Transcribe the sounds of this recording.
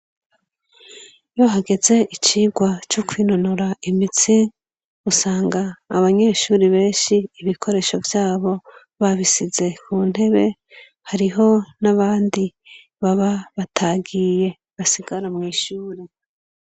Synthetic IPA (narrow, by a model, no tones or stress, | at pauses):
jo̞ɦaɡe̞ze̞ʔit͡ʃiːɡwat͡ʃukwiːnonoɾaʔimit͡si | usaːŋɡaːβaɲe̞ːʃuːɾiβe̞ːnʃiːβikʰo̞ɾe̞ʃo̞vjaːβo̞ | βaβisize̞kʰuːn̥he̞βe̞ | haɾiɦo̞naβaːndi | βaβaβatʰaɡije̞ | βasiɡaɾamŋiːʃuːɾe